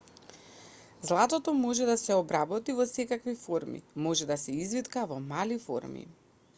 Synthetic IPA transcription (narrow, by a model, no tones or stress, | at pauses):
zlˠat̪ɔt̪ɔmɔʒɛd̪asɛɔbɾabɔt̪ivɔsɛkakvifɔɾmḭmɔʒɛd̪asɛizvit̪kavɔmalifɔ̰ɾmḭ